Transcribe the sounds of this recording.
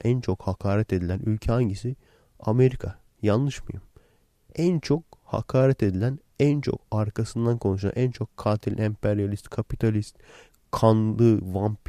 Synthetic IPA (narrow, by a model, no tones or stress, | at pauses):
ænt͡ʃʰo̞khakʰaːɾɛt̪e̞d̪ilʲænʔylʲcʰɛhaɲɟisi | a̰me̞ɾikʰa | janːˠɯʃmɯ̰jɯm | ænt͡ʃʰo̞k̚ha̰kʰaːɾɛt̪e̞d̪ilʲæn | ænt͡ʃʰo̞̰kaɾkʰasɯnd̪ankʰo̞nuʃ̬a̰nʔænt͡ʃʰo̞kʰːaːt̪ʰilʲʔɛmpʰeɾijalʲist̪kʰapit̪ʰalʲist̪ | kʰanlˠɯvamp